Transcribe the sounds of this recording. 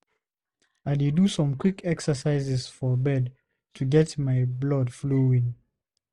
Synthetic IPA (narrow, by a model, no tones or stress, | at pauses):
aɪdidusɔ̃mkwikɛksəsaɪzɛsfɔbɛd | tʰuɡɛtmaɪblɔdfloĩn